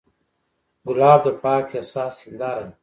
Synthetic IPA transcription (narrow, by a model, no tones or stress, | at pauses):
ɡulaːb̚d̪əpaːkasaːsind̪aːɾɐn